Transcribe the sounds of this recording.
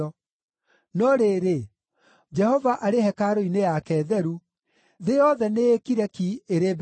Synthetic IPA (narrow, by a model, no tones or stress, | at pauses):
ɔ | nɔɾeɾe | d͡ʒɛhɔvaʔaɾehɛkaɾoinejakɛːðɛɾu | ðejɔðɛneːkiɾɛkieɾeb